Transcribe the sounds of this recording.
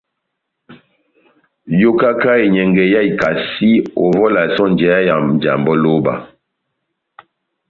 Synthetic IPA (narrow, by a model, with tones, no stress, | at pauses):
jo˦ka˦ka˦e˨ɲɛ˨ŋɡɛ˨ja˦i˨ka˨si˦o˨vɔ˦la˨sɔ˦nd͡ʒɛ˨˦ja˦ja˨m˨d͡ʒa̰˨mbɔ˦lo˦ba̰˨